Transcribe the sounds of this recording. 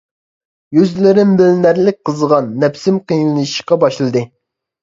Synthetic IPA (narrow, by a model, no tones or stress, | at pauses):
jyzlɪɾɪnbɪlnæɾlɪk̚ʲqəzʁɑnːɛpsɪmqijnɨlˠɨʃi̥qɑbɑʃlˠɨd̪ɨ